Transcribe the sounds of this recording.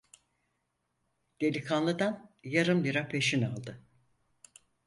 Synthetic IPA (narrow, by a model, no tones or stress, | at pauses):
d̪̥elʲikʰanlˠɯd̪anjaɾɯmlʲiɾapʰe̞ʃina̰lˠd̪ɯ